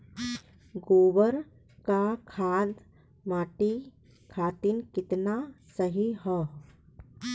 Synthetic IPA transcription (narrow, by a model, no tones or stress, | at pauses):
ɡoːʋəɾ | kakʰaːd̪ | maːʈi | kʰaːt̪inkɪt̪nasəɦiɦɛ